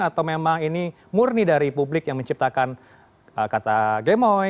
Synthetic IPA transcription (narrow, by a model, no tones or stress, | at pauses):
at̪awmemaŋini | murnidaɾipublɪkjaŋməɲt͡ʃip̚t̪akan | əkat̪aɡemɔ